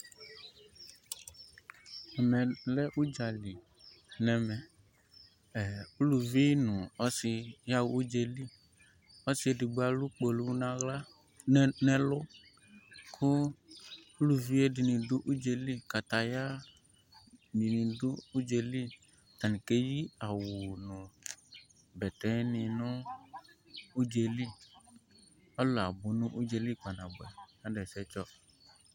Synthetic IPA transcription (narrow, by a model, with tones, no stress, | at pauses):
ɔ˨nɛ̃˨lɛ˦ʔu˦d͡ʒa˨li˨ | nɛ̃˨mɛ̃˨ | u˦lu˨vi˦nũ˨ɔ˦si˨ja˦wu˦u˦d͡ʒe˨li˦ | ɔ˦si˦e˦di˨ɡ͡ba˨lu˦k͡po˨lu˦wnã˦ɣla˦ | nɛ̃˦lʊ˦ | kʰʊ˦ | lu˦vi˦e˦di˨nĩ˨dʊ˦ʔu˦d͡ʒe˨li˦ka˨t̪a˨ja˦ | bi˨nĩ˨dʊ˦u˦d͡ʒe˨li˦˨ | t̪a˨nĩ˨ke˦ji˦a˨wʊ˨nʊ̃˨ | bɛ˨t̪ɛ̃˦nĩ˨nʊ̃˦ | u˦d͡ʒe˨li˦ | ɔ˦lo˨a˨bʊ˨nʊ̃˦ʔu˦d͡ʒe˨li˦k͡pa˨nã˨bʊ˨ɛ̰˨nã˦ɖɛ˨sɛ˦t͡ʃɔ˦